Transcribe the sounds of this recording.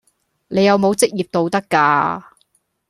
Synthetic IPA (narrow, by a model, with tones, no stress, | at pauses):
ne˨˧jɐ˨˧wmo˨˧wt͡sɪ˥k̚jiː˨˩p̚t̪o˧wt̪ɐ˥kːaː˧